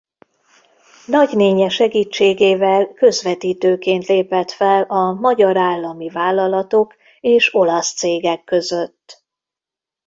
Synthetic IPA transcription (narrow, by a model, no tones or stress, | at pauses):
nɒɟneːɲɛʃɛɡiːt͡ʃːeːɡeːvɛlkø̞zvɛt̪iːt̪øːkeːnt̪leːpɛt̪fɛlɒmɒɟɒɾaːlːɒmivaːlːɒlɒt̪o̞k | eːʃo̞lɒst̪seːɡɛkːøzøt̪ː